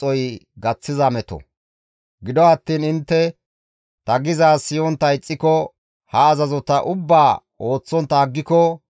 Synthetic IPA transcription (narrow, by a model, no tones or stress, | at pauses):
ɔjɡɐt͡sːɪzɐmɛt̪ɔ̰ | ɡɪd̪ɔɐt̪ːiːnɪnt̪ːɛ | t̪ɐɡɪzaːsɪjɔnt̪ːɐɪt͡sʼːɪkɔ | hɐːzɐzɔt̪ɐʔʊbːaː | o̞ːt͡sːɔnt̪ːɐːɡːɪkɔ